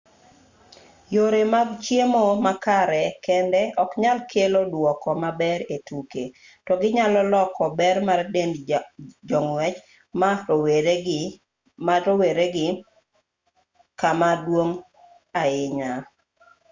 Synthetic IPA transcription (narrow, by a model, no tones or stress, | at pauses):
joɾemaɡt͡ʃjemomakaɾɛkɛndɛɔkɲalkʰelodwɔkɔmabɛɾetuke | tɔɡɪɲalɔlɔkɔbɛrmarden | d͡ʒɔŋwɛt͡ʃ | maoweɡ | maɾoweɾeɡɪ | kamadwoŋ | aɪɲa